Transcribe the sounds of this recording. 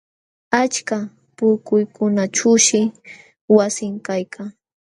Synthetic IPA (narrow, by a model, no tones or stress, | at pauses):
at͡ʃka | pʊɾkʊjkʊnat͡ʃʊʃɪ | wasɪŋkajkʰaŋ